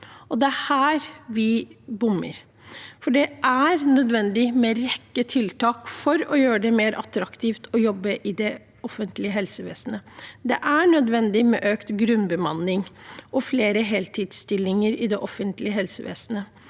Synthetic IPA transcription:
ɔd̪ɛæhæːɾʋɪbʊmːə̰ɾ | fɔɖɛʔæɾnœd̪ʋɛnd̪ɪmɛɾɛkːət̪ʰɪlt̪ʰɑːkfɔɾɔjøːɾəɖɛmeːɾʔɑt̪ɾɑkt̪ʰiːft̪ʰɔjɔbːəʔɪd̪ɛ | ɔfənt̪lɪəɦɛlsəʋḛːsnəd̪ɛʔæɳœd̪ʋɛnd̪ɪmɛ̰ʔøːkt̪ɡɾʉnbəmɑnːɪŋʔɔfleːɾəɦɛːlt̪ʰiːd̪st̪ɪlːɪŋəɾɪd̪ɛʔɔfːənt̪lɪəɦɛlsəʋḛːsnə

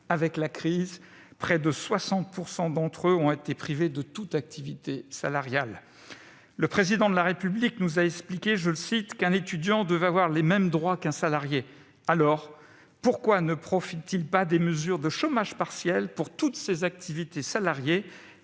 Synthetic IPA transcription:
avɛklakχiz | pχɛd̪əswasɑ̃t̪̚puʁsɑ̃d̪ɑ̃t̪χøɔ̃et̪epχived̪ət̪ut̪ak̚t̪ʰivit̪esa̰laʁjalː | əpχezid̪ɑ̃d̪əlaʁepybliknuzaɛksplikʲeʒələsit̪kɛ̃net̪yd̪jɑ̃d̪wəvavwaʁlemɛmd̪ʁwakɛ̃salaʁje | alɔʁ | puʁkwanəpχɔfit̪ːilpad̪eməzyʁd̪əʃomaʒpaʁsjɛlpuʁt̪ut̪sezak̚t̪ʰivit̪esalaʁje

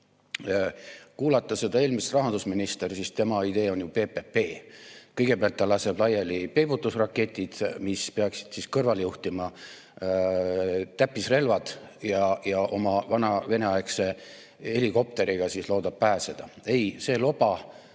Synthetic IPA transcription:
kuːlɑt̪ːˑɑse̞d̪ɑe̞ːlmist̪rɑɦɑnd̪usminist̪e̞rsist̪e̞mɑid̪e̞ːo̞njupe̞ːpepe̞ːkɤjɡ̥e̞beɑlt̪ːɑlɑse̞b̥lɑjelipe̞but̪ːˑusrɑkːˑe̞t̪ʲːˑid̪̥mispe̞ɑksi̥d̪̥siskɤrvɑlejuht̪imɑ | t̪æpːisre̞lvɑd̪̥jɑjɑʔo̞mɑvɑnɑve̞neɑjekse̞ | e̞liko̞p̚t̪e̞ɾiɡ̥ɑsisloːd̪ɑb̥̚pæːse̞d̪̥ɑe̞jse̞ːlo̞b̥ɑ

